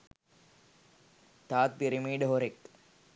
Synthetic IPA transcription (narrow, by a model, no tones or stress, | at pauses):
t̪aːt̪̚piɾimiːɖəɦoɾek